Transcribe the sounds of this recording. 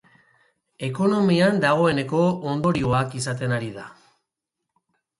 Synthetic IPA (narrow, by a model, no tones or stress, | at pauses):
e̞ko̞no̞miand̪aɣ̞o̞e̞ne̞ko̞ond̪o̞ɾioakisat̪̬e̞naɾiða